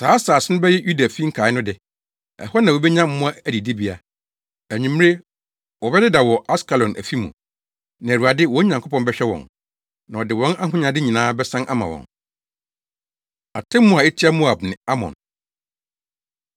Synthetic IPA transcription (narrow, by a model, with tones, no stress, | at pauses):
saː˨˦saː˨sɪ˦nʊ̃˦bɛ˦jɛ˦ju˦da˨fi˦ŋ̩˦kʰaː˨ɪ˦nʊ̃˦dɪ˨ | ɛ̰˨hɔ˦nã˨wɔ˨bɛ˦ɲã˦m̩˦mʊ̃˦a˦æ˨di˨di˦bi˦a˨ | æ˨ɲĩ˨m˦e˦ | wɔ˨bɛ˦dɪ˦da˨wɔ˨ʔa˦ska˨lɔ̃˨nʔæ̰˨fi˦mṵ̃˨ | nã˨ɾu˨a˨dɪ˦wɔ̃˦ɲã˨ŋkʰo˦pʰɔ̃˨nbɛ˦ɕᶣɛ˦wɔ̰̃˨n | nã˨ɔ˨dɪ˨wɔ̃˦nʔa˦ɦʊ̃˦ɲã˨dɪ˦ɲĩ˨nãː˦bɛ˦sã˦nʔa˦mã̰˨wɔ̰̃˨n | a̰˨tʰɛ̃˦mːʊ̃˦˨a˨ɛ˦tʰi˦a˦mu˦a˨b̚nɪ̃˨a˦mɔ̰̃˨n